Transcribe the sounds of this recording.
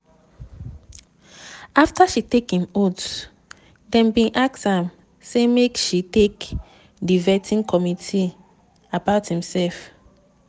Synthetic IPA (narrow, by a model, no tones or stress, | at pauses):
aftaʃitekhĩmot | dɛ̃mbĩnʔakshãm | semekʃitek | divɛtʰĩnkʰɔmitʰi | abaʊthĩmsɛlf